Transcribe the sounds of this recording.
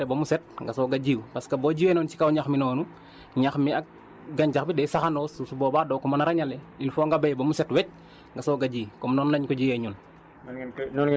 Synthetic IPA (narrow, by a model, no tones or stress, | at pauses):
ɛbomusɛt̚ŋɡasoɡaɟiːwpaskaboɟiwenɔnt͡ʃi̥kawɲaxminɔːnu | ɲaxmiak̚ | ɡaɲd͡ʒaxbidɛsaxandoːsusuboːbaːdokɔmanaɾaɲalɛ | infɔːŋɡabejbomusɛtwɛc̚ | ŋɡasoːɡaɟiːkɔmnɔːnlaɲkɔɟijɛɲun | nɔn